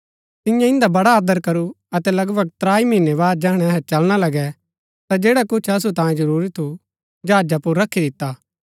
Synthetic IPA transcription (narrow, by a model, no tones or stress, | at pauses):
t̪ɪjãɪ̃nd̪abɐɽaaːd̪əɾkɐɾu | ɐt̪ɛlɐɡbəɡ̚t̪ɾaːimĩːnːeβaːd̪̚d͡ʒɛːɽ̃ɛɐɦɛt͡ʃɐlɽ̃alɐɡɛ | t̪ad͡ʒeːɽakʊt͡ʃʰɐs̬ut̪ãːjẽd͡ʒɐɾuːɾit̪ʰu | d͡ʒaːd͡ʒapʊɾːɐkʰid̪ɪt̪ːaː